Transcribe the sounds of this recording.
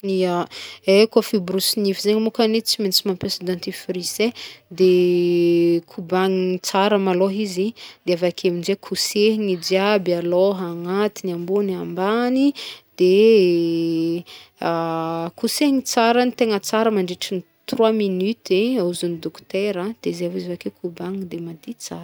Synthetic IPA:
iaekofibrusinivizeɲimukanet͡simenit͡simampesad̪ãnt̪ifɾised̪e | kʰubaŋit͡saɾəmaloɦizid̪̥eavakʰaminzekʰuseɦiŋid͡ʒiabialoɦaŋat̪iniambuniambanid̪̥e | kusehiŋit͡saɾənit̪eŋət͡saɾəmaɳɖ͡ʐiʈ͡ʂini | t̪rwaminyt̪eauzunid̪ɔkt̪eɾəd̪̥ezeavizavakekʰubaŋid̪emad̪it͡saɾə̥

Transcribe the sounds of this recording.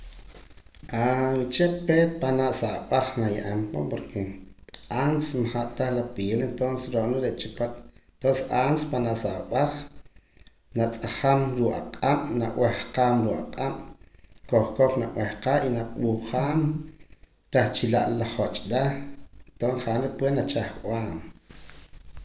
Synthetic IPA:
awt͡ʃepeːt̪̚panaʔsaʔɓaχnajaʔampo̰poɾkʰe | ansmaχaʔt̪aχlapeːlent̪onsesɾoʔnoɾeʔt͡ʃipat̪t̪onsʔanspanaʔsaʔɓaχ | nat͡sʼaχamɾuːʔʼaqʼam̥naʔw̰ehqaːmɾuːʔaqʼam̥̰koχkoknaʔwehqaʔinaɓuχaːm | ɾaχt͡ʃilaʔlaχot͡ʃʼɾat̪onχaʔnɾepwenat͡ʃaχʔw̰aːm

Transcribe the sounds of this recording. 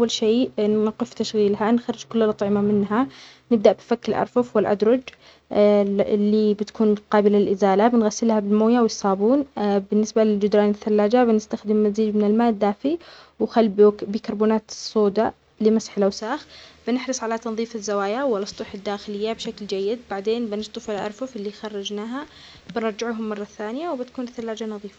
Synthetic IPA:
ʔawːalʃeːnɪqɪft̪aʃɣiːlɦanxɑɾˤːɪd͡ʒkʊlːalʔɑt̪ˤʕɪmamɪnɦa | nɪb̚d̪aʔbɪfakːɪlʔɑ̰ɾˤfʊfwɪlʔa̰d̪ɾˤɑd͡ʒ | lːibɪt̪kuːnqɑːbɪlalʔɪzaːlabɪnɣasːɪlhabɪlmoːjawɪjsˤɑːbuːnbɪnːɪsbalɪld͡ʒʊd̪ɾˤɑːnɪθːalːaːd͡ʒabɪnɪst̪axd̪ɪmːaziːd͡ʒmɪnɪlmaːʔd̪ːaːfiwxalːbbiːkɑɾˤbuːnaːt̪sˤːoːd̪a | lɪmasħɪlʔawsaːxb̥ɪnɪħɾɨsˤʕalat̪ɑnðˤiːfɪzːawaːjawɪlːɑsˤt̪ˤuħɪd̪ːaːxɪlɪjːabʃakld͡ʒajːɪd̪baʕd̪eːnbɪnɪst̪ˤɨfɪlʔɑ̰ɾˤfʊfɪlːixɑrˤːɑd͡ʒnaːɦa | b̥ɪnɑɾˤd͡ʒɪʕɦʊmːɑrˤːɑθaːnɪjawbɪt̪kuːnɪθːalːaːd͡ʒanɑðˤiːfḁ

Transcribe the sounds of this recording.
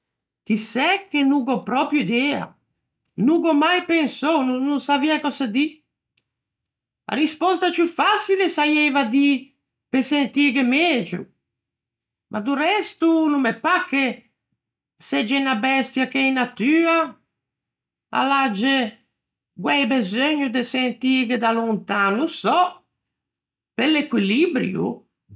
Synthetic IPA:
t̪isɛkːenuːɡɔpɾɔpjuid̪ɛːa̰ | nuɡɔmajpensɔwnununsaviakɔsad̪i | a̰ɾispɔst̪at͡ʃjufasilesajɛvad̪i | pesent̪iɡemɛeːd͡ʒɾṵ | mʔa̰d̪urɛst̪unumɛpːakːe | sɛd͡ʒɛnabɛst̪jakeinːat̪yːa | a̰lad͡ʒe | ɡwɛjbezøɲːud̪esent̪iɡed̪alunt̪aːnusɔ | pelekwilibɾjṵ

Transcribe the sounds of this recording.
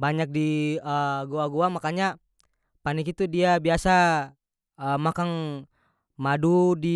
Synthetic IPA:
baɲak̚diəɡuaɡuamakaɲa | panikit̪udiabiasa | əmakaŋ | madudi

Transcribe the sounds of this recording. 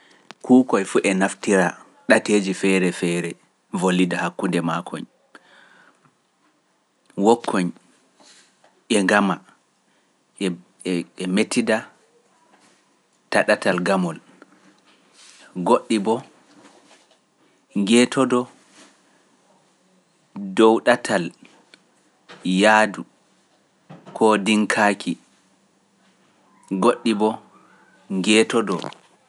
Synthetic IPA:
kʰuːkɔjfuʔɛnaftiɾa | ɗateːd͡ʒifɛɾɛfɛɾɛ | volːidahakːundɛmakʰɔ̰ɲ | wɔkʰːɔɲ | ʔɛŋɡama | ɛmetʰːida | taɗatalɡamɔl | ɡoɗːibɔ | ŋɡɛːtɔdɔ | dɔwɗatʰal | jaːdu | kɔdiŋkʰaːkʰi | ɡoɗːibɔ | ŋɡɛːtɔdɔ̰

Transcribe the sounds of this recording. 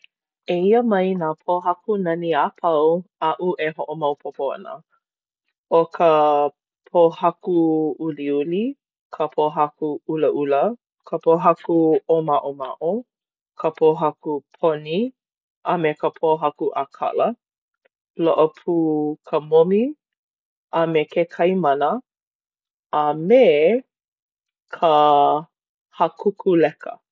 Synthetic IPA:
eiəmɐjnaːpʰoɦɐkunɐniapʰɐwɐʔuʔeɦoʔomɐwpʰopoɐ̰nə̰ | okʰə | pʰohɐkuuliuli | kʰəpʰoɦɐkuuləʔulə | kʰəpoɦɐkuomaʔomaʔo | kʰəpʰoɦɐkupʰoni | ʔəmekəpʰoɦɐkuʔakʰɐ̰lə | loʔəpʰuːkʰəmomi | ɐmekekʰɐjmɐnə | me | kʰə | hɐkukʰulɛkə̰

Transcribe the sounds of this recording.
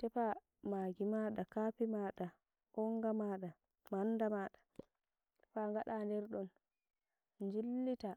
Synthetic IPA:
tɛpa | maːɡimaːɗakapimaːɗa | ʔɔŋɡamaːɗa | mandamaːɗḁ | tɛpaŋɡaɗandɛɾɗɔn | nd͡ʒilːita

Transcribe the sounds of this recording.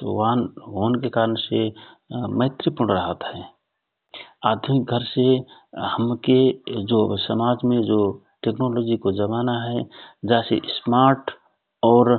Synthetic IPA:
t̪o̰ʋanɦoːnkekaːɾənse | məɪt̪ɾəpʊɽɾəɦət̪ɦɛː | aːd̪ʱʊmɪk̚ɡʱəɾsehəmked͡ʒobsəmaːd͡ʒmẽd͡ʒoː | ʈeːknoːloːd͡ʒikod͡ʒəbaːnaɦɛd͡ʒɛːsḛʔsmaːɾʈ | ɔːɾ

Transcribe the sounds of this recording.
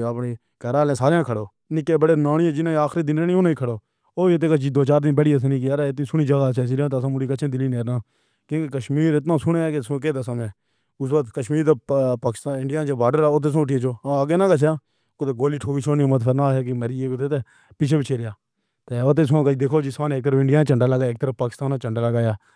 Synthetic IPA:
əpneː | kəɾaːlẽːsaːɾjãːkʰəɽoː | nĩːkeːbəɽeːnaːnɪẽːd͡ʒɪnãːaːxɾiːd̪ɪnɾeːnĩːoːniːkʰəɽoː | oːt̪̬eːkət͡ʃiːd̪oːt͡ʃaːɾd̪ɪbəɽiːəs̬ãːnĩːkiəɾeɪt̪nĩːsʊɳiːd͡ʒəɡaːseːs̬iɾãːt̪ːãːmʊɽiːkət͡ʃʰẽːd̪ɪliːneːɾnãː | kjõːkekəʃmiːɾɪt̪nãːsʊɳeːkeskeːd̪esãːmẽː | ʊsʋəkt̪kəʃmiːɾt̪eːpaːkɪ̥st̪aːɪɳɖɪjaːnt͡ʃebaːɖəɾaːoːt̪̬eːs̬õʈit͡ʃoːãəɡeːnãːkət͡ʃ̬ʰjãː | kot̪eːɡoːliːʈʰoːkiːt͡ʃʰoːniːmət̪fʰəɾnaːɦeːkemeɾieːt̪et̪eː | pɪt͡ʃʰeːbɪt͡ʃʰeːɾɪjaː | t̪eːoːt̪eːs̬ãːkəid̪eːkʰoːd͡ʒɪsãːneːk̚t̪əɾəfɪ̃ɳɖɪjaːñːt͡ʃəɳɖaːləɡaːjɪːk̚t̪əɾəfpaːkɪst̪aːnãːt͡ʃəɳɖaːləɡaːjaː

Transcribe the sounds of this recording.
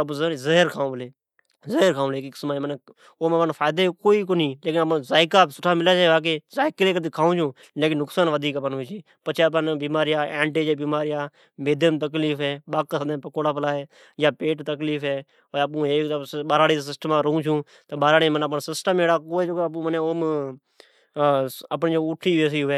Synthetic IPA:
əp̬ːzəɦɾkʰaːũːəleː | zəɦəɾkʰaːũleeːkːkɪ̥smaːemən | oːmənfʰaːɪd̪eːkoːiːkoːnĩːleːkɪnəpːzaːɪkaːpsʊʈʰaːmɪlaːt͡ʃaeːʋaːk̬eːzaːɪkɾeːkət̪iːkʰaːũːt͡ʃʰõː | leːkɪnːʊksaːnʋəd̪ʱiːkəpənʊːt͡ʃeː | pət͡ʃʰepənbiːmaːɾɪjaːẽːɳʈeːd͡ʒeːbiːmaːɾɪjaː | meːd̪jəmt̪̬ək̬liːfɦɛːɓaːkːsəd̪ẽpəkoːɽaːpəlaːɦeː | jaːpeːʈt̪əkliːfɛː | oːəp̬ũːɦeːkɓaːɾaːɽiːsɪsʈəmãːɾoũːt͡ʃʰũː | t̪əɓaːɾaːɽẽmənəp̬ənsɪsʈəmeːɽaːkoːpũːməneːoːm | əpnːd͡ʒoʊʈʰiːʋeːs̬iːɦʊʋeː

